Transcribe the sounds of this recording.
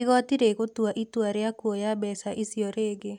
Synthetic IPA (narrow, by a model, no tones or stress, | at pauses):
ɣɔtiɾeɣotuaʔitwaɾeakwɔjabɛsaʔisiɔɾeːɡe